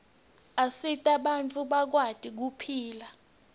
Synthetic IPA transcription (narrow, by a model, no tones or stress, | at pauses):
asitʼaɓant͡fʰʼuɓak̬watʼik̬upʰiːla